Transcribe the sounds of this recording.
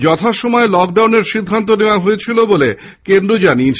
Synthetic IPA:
d͡ʑɔt̪ʰaʃɔmɔelɔk̚ɖawneɾʃid̪ʱːant̪̬oneoaɦoet͡ɕʰilobole | kend̪ɾod͡ʑani

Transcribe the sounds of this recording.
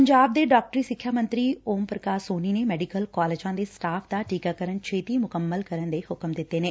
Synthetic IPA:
əɲd͡ʒaːb̚d̪eːɖaːk̚ʈəɾiːsɪkʰjaːmə̃nt̪ɾiːoːmpɾəkaːɾsoːniːneːmɛːɖikəlkaːleːd͡ʒãːd̪eːsʈaːpd̪aːʈiːkaːkəɾənt͡ʃʰeːt̪iːmʊkəmːəlkəɾənd̪eːhʊkəmd̪ɪt̪ːeːneː

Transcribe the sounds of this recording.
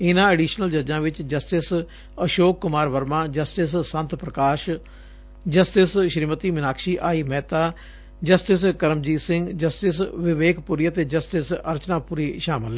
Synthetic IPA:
ɪnãːeːɖiːʃnəld͡ʒəɾd͡ʒãːʋɪt͡ʃd͡ʒəsʈɪs | əʃoːkːʊmaːɾʋəɾmãːd͡ʒəsʈɪssə̃nt̪pɾəkaːʃ | d͡ʒəsʈɪsʃɾimət̪iːmɪnaːkʃiːʔaːiːmɛːt̪aː | d͡ʒəsʈɪskəɾəmd͡ʒiːsɪŋɡd͡ʒəsʈɪsʋɪʋeːkpuɾiːət̪eːd͡ʒəsʈɪsəɾt͡ʃnãːpuːɾiːʃaːmɪl

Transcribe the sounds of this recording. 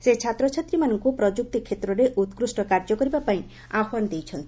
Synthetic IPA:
set͡ʃʰat̪ɾɔt͡ʃʰat̪ɾimanɔŋkupɾɔd͡ʒuk̚t̪ikʰet̪ɾɔɾeʔut̪kɾusʈɔkaɾd͡ʒɔkɔɾibapaĩ | aɦwanɔd̪ejt͡ʃʰɔnt̪i̥

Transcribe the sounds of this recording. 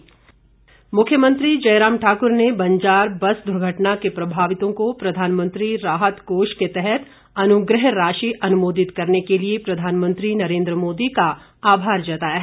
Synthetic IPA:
mʊkʰjəmə̃nt̪ɾid͡ʒɐːɾaːmʈʰaːkʊɾnebɐ̃ɲd͡ʒaːɾbɐsd̪ʊɾɡʱəʈnakepɾɐbʱaːʋɪt̪õkopɾɐd̪ʱaːnmə̃nt̪ɾiɾaːɦət̪ɡoːʃket̪ɛɦɛt̪ | ɐnʊɡɾəɦɾaːʃiʔɐnʊmoːd̪ɪt̪kɐɾnekeliepɾɐd̪ʱaːnmə̃nt̪ɾinɐɾẽːnd̪ɾəmoːd̪ika | aːbʱaːɾd͡ʒɐt̪aːjaɦ

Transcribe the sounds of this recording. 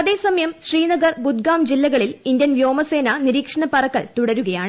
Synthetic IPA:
ɐðe̞ːsɐmɐjɐmɕriːnɐɡɐrbud̪̚ɡaːmd͡ʑilːɐɣɐɭilind̪jɐnʋjo̞ːmɐse̞ːnɐniɾiːkʂɐɳɐpɐrɐkːɐɭt̪uɽɐɾuɣɐjaːɳɨ

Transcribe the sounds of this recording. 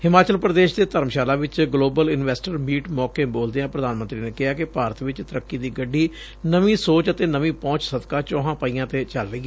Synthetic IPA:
hɪmaːt͡ʃəlpɾəd̪eːʃd̪eːt̪əɾəmʃaːlaːʋɪt͡ʃɡloːbəlɪnʋɛːsʈəɾmiːʈmɔːkeːboːld̪eãːpɾəd̪aːnmə̃nt̪ɾiːneːkɪɦaːkɪpaːɾət̪ʋɪt͡ʃt̪əɾəkːiːd̪iːɡəɖːiː | nəʋĩːsoːt͡ʃət̪eːnəʋĩːpɔ̃ːt͡ʃsəd̪kaːt͡ʃɔːɦãːpəiːãːt̪eːt͡ʃəlɾəiːɛː

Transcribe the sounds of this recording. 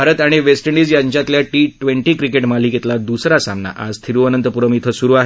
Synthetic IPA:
bʱaɾət̪aɽ̃iʋesʈəɳɖiːd͡zjaɲt͡ɕat̪ljaʈiʈʋeɳʈiːkɾikeʈmaliket̪lad̪usɾasamna̰ʔa̰d͡zt̪ʰiɾuənənt̪əpuɾəmit̪ʰəsuɾuaɦe

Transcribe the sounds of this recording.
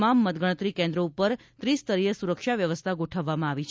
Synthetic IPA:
mamːət̪ɡəɽ̃ət̪ɾikẽnd̪ɾəupəɾ | t̪ɾist̪əɾiɦəsuɾəkʃaʋjəʋəst̪ʰaɡoʈʰəʋːamãaʋit͡ʃʰ

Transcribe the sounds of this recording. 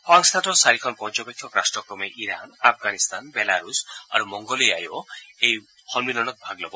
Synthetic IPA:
paŋst̪ʰaʈɔsaɾikʰɔnpɔnt͡ʃɔbekʰjɔkɾasʈɾɔkɾɔmeʔiɾanapʰɡanist̪ʰanbelaɾusa̰ɾumɔŋɡɔlia̰jɔej | hɔlbinɔñɔt̪̚bʱaɡlɔbɔ

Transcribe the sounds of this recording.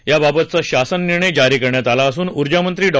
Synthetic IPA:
jababət̪̚t͡saɕasənːiɾɳəjd͡ʑaɾiːkəɾɳjat̪alaːsuːnuɾd͡ʑamənt̪ɾiːɖɔ

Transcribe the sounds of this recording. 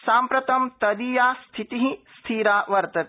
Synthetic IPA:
saːmpɾɐt̪ɐmt̪ɐd̪iːjaːst̪ʰit̪iɦĩst̪ʰiːɾaːʋɐɾt̪ɐt̪

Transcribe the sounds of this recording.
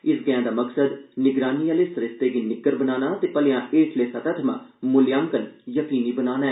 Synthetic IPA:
ɪsɡəjãːd̪aːməksəd̪nɪɡɾaːniːjaːleːsəɾɪst̪eːɡinɪkːəɾbənaːnaːt̪eːpəlejãːʔeːʈʰleːsət̪ət̪ʰmã̰ːmʊlɪjaːŋkənjəkiːniːbənaːnaɛː

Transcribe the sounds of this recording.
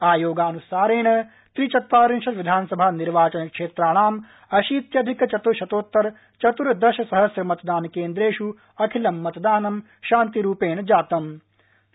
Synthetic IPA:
aːjoːɡaːnusaːɾeːɳ̃ɐ | t̪ɾit͡ʃɐt̪ʋaːɾinʃɐʋid̪ʱaːnɐsɐbʱaːniɾʋaːt͡ʃɐnɐkʃeːt̪ɾaːɽ̃aːm | ɐʃiːt̪jɐd̪ʱikt͡ʃɐt̪uɾʃɐt̪oːt̪ːɐɾ | t͡ʃɐt̪uɾd̪ɐʃɐsɐɦɐsɾɐmɐt̪d̪aːnkeːnd̪ɾeːʃu | ɐkʰilɐmːɐt̪d̪aːnɐm | ʃaːnt̪iɾuːpeːɳ̃ɐd͡ʒaːt̪ɐm

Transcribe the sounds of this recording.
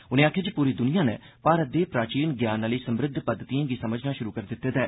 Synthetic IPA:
ʊnẽːaːkʰeːd͡ʒpuːɾiːd̪ʊnijãːnɛ̰ː | paːɾət̪̚d̪eːpɾaːt͡ʃiːnɡjaːnːaliːsəmɾɪd̪ʱːpəd̪ːət̪iãːɡiːsəməd͡ʒʱnaːʃʊɾuːkəɾd̪ɪt̪ːeːt̪ɛː

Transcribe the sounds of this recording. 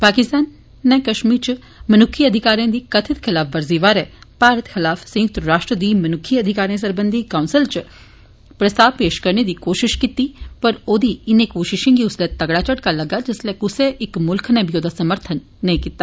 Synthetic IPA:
paːkɪst̪aːnː | ɛkɐʃmiːɾt͡ʃ | mɐnʊkʰiɐd̪ʱɪkaːɾijãd̪ikɐt̪ʰɪt̪xʰɪlaːfʋɐɾziːʋaːɾepaːɾət̪xʰɪlaːfsɐ̃jʊk̚t̪ɾəɾaːʃʈɾəd̪imɐnʊkʰiɐd̪ʱɪkaːɾijãsɐɾbə̃nd̪ʱikaʊ̃nsɪlt͡ʃ | pɾɐst̪aːʋpeːʃkɐɾned̪ikoːʃɪʃkit̪ːipɐɾoːd̪iɪnekoːʃɪʃẽŋɡiʊslet̪ɐɡɽat͡ʃəɽkalɐɡad͡ʒɪsleʊseʔɪkmʊlkʰnɛbjoːd̪ʱasɐməɾt̪ʰənːɐɦĩkit̪ːaː

